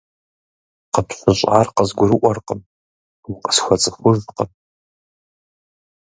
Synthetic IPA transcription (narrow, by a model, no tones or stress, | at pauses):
qəpɕʷɨɕʼʕarqəzɡʷʊɾɨʔʷɔrqəm | wʊqə̥sxʷɐt͡sʼɨxʷʊʒqəm